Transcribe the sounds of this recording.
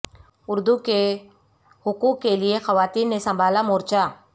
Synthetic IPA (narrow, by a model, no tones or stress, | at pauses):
ʊɾd̪uke | ɦʊkuːkːelɪexɐʋaːt̪iːnːesɐ̃mbʱaːlamoːɾt͡ʃaː